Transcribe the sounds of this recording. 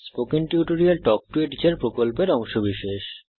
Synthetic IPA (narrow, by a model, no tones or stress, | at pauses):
spokinʈuʈoɾialʈɔk̚ʈueʈit͡ɕeɾpɾokolpeɾɔŋʃobiʃeʃ